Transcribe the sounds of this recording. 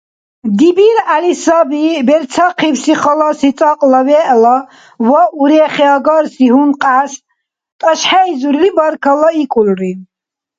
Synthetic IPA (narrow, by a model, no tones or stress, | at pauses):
d̪ibiɾalisabibɛɾt͡sʰaqʰiwsiχɔlasit͡s̪ʼaqʼlavɛʔla | waʔuɾɛχɛaɡɔɾsiɦunqʼaːs | t̪ʼaʃħaizuɾilibaɾkʰalaikʼulri